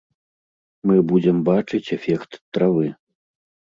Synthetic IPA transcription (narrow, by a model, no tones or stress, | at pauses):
mɨbud͡zʲɛmbat͡ʂɨt͡sʲɛfʲɛkt̪t̪ːɾavɨ